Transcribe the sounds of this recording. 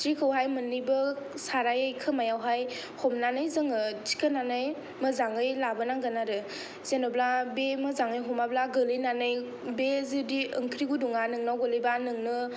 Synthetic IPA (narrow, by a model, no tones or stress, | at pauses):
tɾikʰəwɦajmɯnːibɯsaɾajajkʰɯmajawɦaj | hɔmnanɯjzɯŋɯd͡ʒi̥kʰənanaj | mɯzaŋɯjlabənaŋɡanaɾɯ | z̥enɯblabemɯzaŋɯjɦɔmablaɡɯlɯjnanɯj | bezidiɯŋkʰɾiɡuduŋanɯŋnawɡɯlɯjbanɯŋnɯ